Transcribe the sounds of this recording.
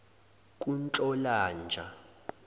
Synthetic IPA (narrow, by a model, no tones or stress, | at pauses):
k̬ʼunt͡ɬʼɔlaːnd͡ʒʱa